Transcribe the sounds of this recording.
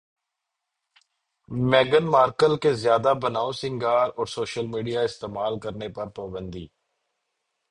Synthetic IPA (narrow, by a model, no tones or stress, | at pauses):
mɛːɡənmaːɾkəlkezjaːd̪abənaːosɪ̃ŋɡaːɾɔːɾsoːʃəlmiːɖijaɪst̪eːmaːlkəɾnepɐɾpaːbə̃nd̪ḭː